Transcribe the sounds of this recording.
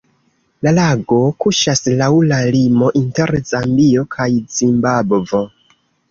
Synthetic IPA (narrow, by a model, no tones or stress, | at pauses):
lalaɡo̞kuʃaslawlalimo̞ʔinte̞ɾzambio̞kʰajzimbabvo̞